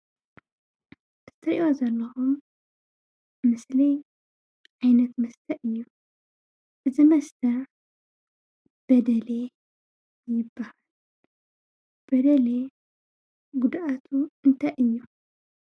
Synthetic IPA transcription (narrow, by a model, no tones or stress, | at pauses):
ɨ̥t̪ʰɐɾʔiʔozɐlːɐxum | ɨsli | ʕajnɐt̪mɐst̪ʰɐʔɨjːu | ʔɨzimɐst̪ʰɐ | b̥ɐd̪ɐle | jɪbːahal | b̥ɐd̪ɐle | ɡud̪ʔat̪ʰuɨnt̪ʰajʔɨjːu